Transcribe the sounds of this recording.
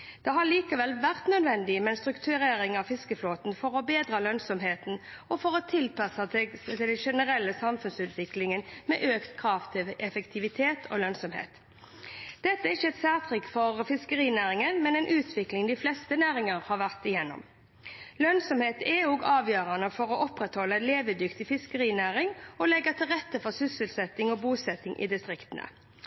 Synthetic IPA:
d̪̥ɛɦɑɭiːkəʋɛlʋæʁt̪nœd̪ʋɛnd̪ɪmɛɛnst̪ɾʉkt̪ʰʉʁeːɾɪŋɑʋfɪskəfloːt̪n̩fɔɾɔbeːd̪ʁəlœnsɔmɦeːt̪nɔfɔʁɔt̪ʰɪlpɑsɑt̪ɪd̪ɛnʃɛnəʁɛlːəsɑmfʉnsʉːt̪ʋɪklɪŋənmɛʔøːkt̪kʰʁɑːʋt̪ʰɪʔɛfɛkt̪ʰɪʋɪt̪ʰeːt̪ʰo̰lœnsɔmhḛːt̪ | d̪̥ɛt̪ːəɛɪçəɛt̪sæːʁt̪ʰʁɪkːfɔʁfɪskəʁiːnæːʁɪŋənmɛnɛːnʔʉːt̪ʰʋɪklɪŋd̪ɪflɛst̪ənæːʁɪŋəʁhɑːʋæʁt̪ɪjɛnːɔ̰m | lœnsɔmheːt̪ʰɛoːɡɑːʋjøːʁɑnəfɔʁɔʔɔpʁɛt̪hɔlːəɛnleːʋəd̪ʏkt̪ɪfɪskəʁiːnæːʁɪŋɔlɛɡːət̪ʰɪlʁɛt̪ːəfɔʁsʏsəlsɛt̪ːɪŋoːbuːsɛt̪ɪŋʔɪ̰d̪ɪst̪ʁɪkt̪ənə̰

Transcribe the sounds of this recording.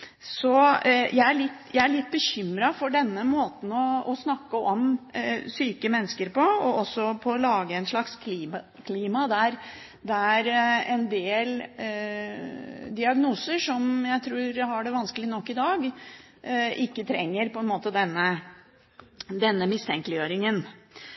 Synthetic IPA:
sɔjʔæɪæɭɪt̪ːjæɪæɭɪt̪̚ːbəɕʏmɾɑfɔɖɛnːəmoːt̪n̩ɔɔsnɑkːəʔɔmsyːkəmɛnːəskəɾpɔɔɔsːɔpʰɔːlɑːɡəɛnʂɭɑkskʰli | kʰliːmɑd̪æɾ | d̪æɾɛnd̪eːl | d̪ɪɑɡnuːsəʂɔmjæɪt̪ʰɾuːɾɦɑɖɛʋɑnskəlɪnɔkːɪd̪ɑːɡ | ɪkːət̪ʰɾɛ̰ŋːəɾpɔɛnmoːt̪əd̪ɛnːə | d̪ɛnːəmɪst̪ʰɛŋkəlɪjøːɾɪŋən

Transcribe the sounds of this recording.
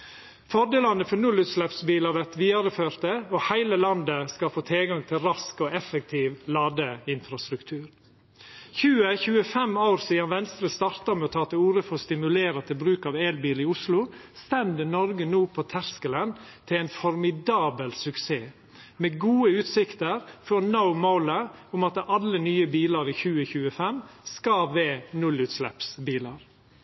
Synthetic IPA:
fɔd̪eːlɑnəfɔnʉlːʉːt̪slɛpsbiːlɑʋɛt̪ʋiːɑɾəføːɾt̪əohæɪləlɑnd̪əskɑfoːt̪ʰɪlɡɑŋt̪ʰɪlɾɑskoɛfək̚t̪ʰiːʋlɑːd̪əɪnfɾɑst̪ɾʉkt̪ʰʉːɾ | çʉːəçʉːəfɛmaʊɾsiːd̪ɑnʋɛnst̪ɾəst̪ɑɾt̪ɑmɛːɔt̪ʰɑːt̪ʰɪuːɾəfɔɾst̪ɪmʉleːɾɑt̪ʰɪlbɾʉːkɑːʋeːlbiːlɪʊslʊst̪ɛnd̪ənɔɾɡənuːpʰoːt̪ʰæɾskələnt̪ʰɪɛɪnfɔɾmɪd̪ɑːbəlsʉkseː | meːɡuːəʉːt̪sɪkt̪əɾfɔɾnaʊmoʊləʊmɑt̪ɑlːənyːəbiːləɾiːçʉːəçʉːəfɛmskɑʋeːnʉlʉːt̪slɛ̰psbiːlɑɾ

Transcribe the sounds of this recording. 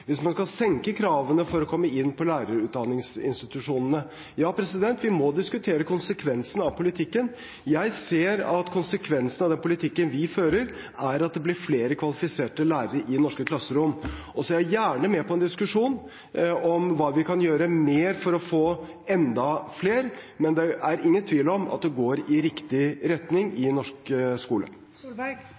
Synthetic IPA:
ʋɪsmɑnskɑlsɛŋkəkʰɾɑːʋənəfɔɾɔkʰɔmːəɪnːpʰɔlæːɾəɾʉːt̪d̪ɑnɪŋsɪ̰nst̪ɪt̪ʉʂuːnənə | jɑːpʰɾɛsɪd̪ɛnt̪ʋɪmɔd̪ɪskʉt̪ʰeːɾəkʊnsəkʰʋɛnsənɑʋpʰʊlɪt̪ʰɪkːən | jæɪseːɾɑt̪kʰʊnsəkʰʋɛnsənɑʋd̪ɛnpʰʊlɪt̪ʰɪkːənʋɪføːɾəɾ | æɾɑt̪̚d̪ɛblɪɾfleːɾəkʰʋɑlɪfɪseːʈəlæːɾəɾəʔɪnɔʂkəkʰlɑsːəɾʊmːʔɔsɔjæhɑɾjæːɳəmɛpʰɔɛnd̪ɪskʉʂuːn | ɔmʋɑːʋɪkʰɑnjøːɾəmeːɾfɔɾɔfoː | ɛnd̪ɑfleːɾmɛnd̪ɛʔæɾɪŋːənt̪ʰʋiːlɔmɑ̰t̪̚d̪ɛɡoːɾɪɾɪkt̪ɪɾɛt̪nɪŋɪnɔʂkskuːlə̰

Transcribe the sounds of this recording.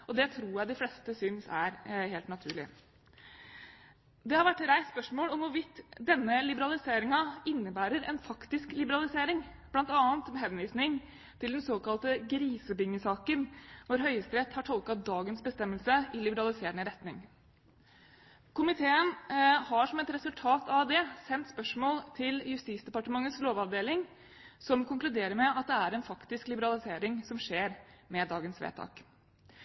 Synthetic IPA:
ʔɔd̪ɛt̪ʰɾuːjæɪd̪ɪflɛst̪əsʏnsæ̰ɾheːlt̪nɑt̪ʰʉ̰ːɭɪ̰ | d̪ɛhɑɾʋæʈːɾæɪt̪spœʂmoːlɔmʋʊɾʋɪt̪ːd̪ɛnːəlɪbəɾɑlɪseːɾɪŋɑɪnːəbæːɾəɾɛnfɑkt̪ɪsklɪbəɾɑlɪseːɾɪŋ | b̥lɑnt̪ɑːnt̪mɛɦɛnʋiːsnɪŋ | t̪ʰɪld̪ɛnsoːkɑlt̪əɡɾiːsəbɪŋːəsɑːkənʋʊɾɦœʏəst̪ɾɛt̪hɑʈʰɔlˠkɑd̪ɑːɡənsbəst̪ɛmːəlsəʔɪlɪbəɾɑlɪseːɾəɳəɾɛt̪nɪŋ | kʰʊmɪt̪ʰeːənhɑʂɔmɛt̪ɾɛsʉlt̪ʰɑːt̪ʰɑʋd̪ɛsɛnt̪spœʂmoːlt̪ʰɪljʉst̪iːsd̪ɛpɑʈəmɑŋːəsloːʋɑʋd̪eːlɪŋ | sɔmkʰʊŋklʉd̪eːɾəɾmɛɑt̪̚d̪ɛæɾɛnfɑkt̪ɪsklɪbəɾɑlɪseːɾɪŋsɔmʂeːɾmɛd̪ɑːɡənsʋḛːt̪ʰɑ̰ːk

